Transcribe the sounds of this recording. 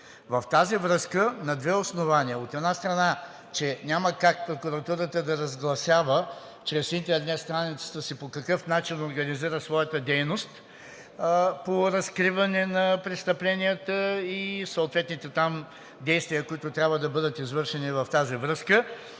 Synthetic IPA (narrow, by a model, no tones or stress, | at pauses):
vɐft̪azivɾɤskənɐd̪vɛosnovaniəot̪ɛd̪nast̪ɾɐna | t͡ʃɛnʲaməkak̚pɾokuɾɐt̪uɾət̪əd̪ɐɾɐzɡlˠɐsʲavə | t͡ʃɾɛsint̪ɛɾnɛt̪st̪ɾanit̪sə̥t̪əsipokɐkɤfnat͡ʃinoɾɡɐniziɾəsvɔjət̪əd̪ɛjnost̪ | poɾɐskɾivɐnɛnɐpɾɛst̪ɐplɛnijət̪əisoʊt̪vɛt̪nit̪ɛt̪am | d̪ɛjst̪viəkoit̪ʊt̪ɾʲabvəd̪ɐbɤd̪ət̪izvɤɾʃɛnivɐft̪azivɾɤskə